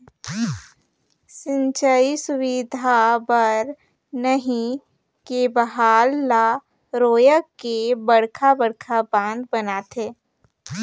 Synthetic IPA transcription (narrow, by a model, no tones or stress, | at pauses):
sɪ̃ɲt͡ʃəisʊwid̪ʱabəɾ | nəɦĩ | kebəɦaːlːa | ɾoːjəkːebɐɽkʰabəɽkʰabãːnd̪̚bənaːt̪eː